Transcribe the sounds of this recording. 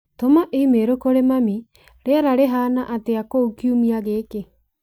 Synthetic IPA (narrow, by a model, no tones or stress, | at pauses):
tomaʔemeɾokoɾemami | ɾeaɾaɾeɦaːnaʔateakoukiumiaɣeːke